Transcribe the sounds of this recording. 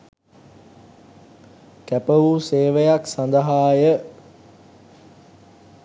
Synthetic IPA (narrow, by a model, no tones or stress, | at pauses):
kæpəʋuseːʋəjaksand̪əɦaːjə